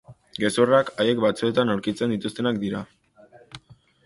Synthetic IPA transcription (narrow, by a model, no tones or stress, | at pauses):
ɡe̞surakaje̞k̚bat͡sue̞t̪anawɾkit͡se̞nd̪it̪ust̪e̞nakd̪iɾa